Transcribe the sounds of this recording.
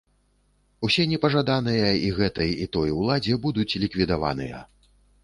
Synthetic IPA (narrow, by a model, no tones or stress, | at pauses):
usʲɛnʲɛpɐʐad̪anɨjɐiɣɛt̪ɐjit̪ɔjwlˠad͡zʲɛbud̪ut͡sʲlʲikvʲid̪ava̰nɨ̰jɐ̰